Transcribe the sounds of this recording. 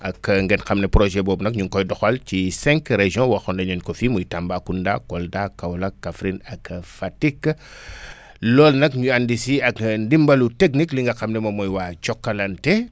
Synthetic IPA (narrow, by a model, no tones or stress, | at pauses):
ɐkŋɡɛnxɐmnɛpɾoʒɛbɔːbnɐkɲuŋkɔjdɔxɐlcisɛ̃ŋkɾeʒɔ̃wɐxɔndɐɲɔnkɔfimujtambakːundakɔldakawlakːafɾinɐkfatik | lɔːlnɐkɲuandisiɐkndimbɐluteknikliŋɡɐxɐmnɛmɐmɔjwaːt͡ʃɔkːɐlɐntɛ